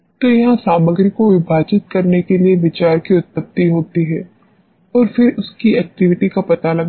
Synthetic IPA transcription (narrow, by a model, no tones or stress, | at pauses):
t̪ojɐɦãsaːməɡɾəkoʋɪbʱaːt͡ʃɪt̪̚kɐɾnekelieʋɪt͡ʃaːɾkiʊt̪̚pɐp̚t̪iɦoːt̪iɦɛː | ɔːɾfɪɾʊskiɛːk̚ʈɪʋɪʈikapɐt̪alɐɡ